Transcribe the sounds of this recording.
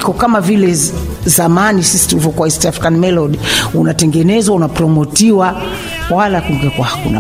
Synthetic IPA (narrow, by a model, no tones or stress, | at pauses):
kɔkamavilɛ | zamanisisi̥tulivɔkwaistafɾikanmɛlɔdiunatɛŋɡɛnɛzwaunapɾɔmɔtiwa | walakuŋɡɛkwahakuna